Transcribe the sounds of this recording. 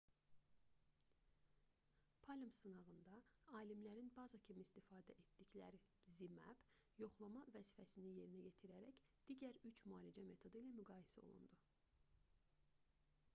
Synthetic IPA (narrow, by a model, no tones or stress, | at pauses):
pʰɑlʲimsɯnɑɣɯnd̪ɑɑːlimlæɾinbɑzɑcʰimist̪ifɑːd̪æʔet̪d̪iclæɾizimæ̰b̥jo̞χlˠɑmɑvæzifæsinije̞ɾinæɟet̪ʰiɾæɾæcd̪̥iɟæɾyt͡ʃʰmuɑːlid͡ʒæme̞t̪ʰo̞d̪ɯilæmyɡɑːjesæo̞̰lˠṵnd̪u